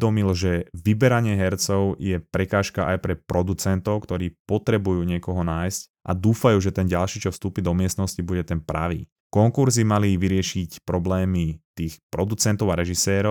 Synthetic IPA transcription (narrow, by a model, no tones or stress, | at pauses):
d̪ɔmilʒɛʋibɛɾaɲɪɛɦɛɾt͡sɔʊjɛpɾɛkaːʃkaʔajpɾɛpɾɔd̪ut͡sɛnt̪ɔʊkt̪ɔɾiːpɔt̪ɾɛbujuːɲɪɛkɔɦɔnaːjsc | ʔa̰d̪uːfajuːʒɛt̪ɛnɟalʃiːt͡ʃɔfst̪uːpiːd̪ɔmɪɛst̪nɔscibuɟɛt̪ɛnpɾa̰ʋḭː | kɔŋkuɾzimaliʋiɾɪɛʃicpɾɔblɛːmit̪iːxpɾɔd̪ut͡sɛnt̪ɔʊaɾɛʒisɛːɾɔ